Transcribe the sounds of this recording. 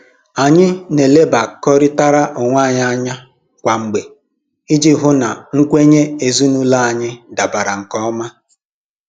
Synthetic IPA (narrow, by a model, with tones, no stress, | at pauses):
a˨ɲɪ˦ne˨le˦ba˨kɔ˦ɾɪ˦ta˦ɾa˦ʔʊ˨ŋʷa˦˨ɲa˦ɲa˦ | kʷa˨ŋ͡m̩˨ɡ͡be˨ | i˦d͡ʒi˦ɦʊ˦na˨ŋ̩˦kʷe˦ɲe˦e˨zu˦nu˦la˦a˨ɲɪ˦da˨ba˨ɾa˨ŋ̩˨kɔ˦ɔ˦ma˦